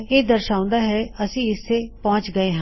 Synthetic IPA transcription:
eːd̪əɾʃaːʊ̃nd̪aːɦɛːəsĩːɪsːeːpɔ̃ːt͡ʃɡəeːɦãː

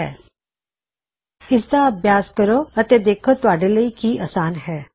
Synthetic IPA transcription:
ɛ̰ː | ɪsd̪aɐbʱjaːskɐɾoɐt̪ed̪eːkʰot̪ʊaːɖeləikiʔaːsaːnɦɛː

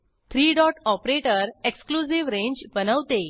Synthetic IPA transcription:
t̪ʰɾiːɖɔʈɔpɾeʈəɾeksklusiʋɾẽɲd͡ʑbənəʋt̪e

